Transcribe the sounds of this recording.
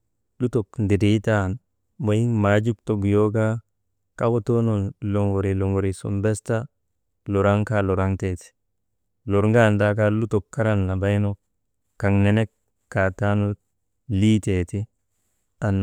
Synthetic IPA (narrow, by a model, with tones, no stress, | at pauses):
lu˦to˨kndi˨di˦ta˦˨n | ba˨ji˦ŋma˨˦d͡ʒu˦kto˨ɡjo˦ɡa˦ | ka˦wo˦to˦no˨lo˨ŋo˨ɾi˨lo˨ŋɡo˨ɾi˨sṵ˨mbe˦sta˦ | lo˨ɾa˦ŋka˦lɔ˨ɾa˦ŋte˨ti̥˨ | lo˨ɾŋɡa˦nda˦k̬a˦lu˦to˨kːa˦ɾa˦nla˨ba˦jno˦ | ka˨ŋne˦ne˦kː | a˨ta˦no˦ | liː˦te˨ti˦ | a˨n